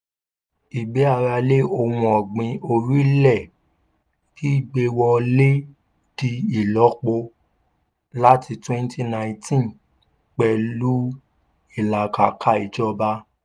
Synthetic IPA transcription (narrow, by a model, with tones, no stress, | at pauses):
i˨ɡ͡be˨˦a˦˧ɾa˧le˦o˧˨wũ˧ɔ˨ɡ͡bĩ˧o˧ɾi˦lɛ˦˨ | ki˦i˦˨ɡ͡be˧wɔ˧le˦ | d̥i˧i˨lɔ˨˦k͡po˧ | la˦tʰi˧twɛ̃˦n˦ti˦nã˧ĩ˧tʰĩ˦n | k͡pɛ˨lu˦ | i˦˨la˨ka˨kʰa˦˨i˨d͡ʒɔ˧ba˧